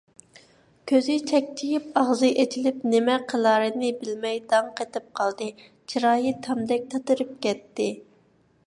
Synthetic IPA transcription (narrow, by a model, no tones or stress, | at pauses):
kʲʰøzɪt͡ʃʰɛk̚ʲt͡ʃʰijipɑʁzɨʔet͡ʃʰilɪp̚nɪmɛqʰəlˠɑːɾɨnɨbɪlmɛjd̪ɑŋqʰet̪ɪp̚qʰɑlˠd̪ɨ | t͡ʃʰiɾɑːjit̪ʰɑmd̪ɛk̚ʲt̪ʰɑt̪ɨɾɨp̚kʲɛt̪ːɪ